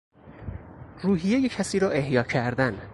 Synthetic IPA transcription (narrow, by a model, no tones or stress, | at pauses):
ruːɦijejecʰæsiːɾɒːʔe̞hjɒːcʰæɾd̪æn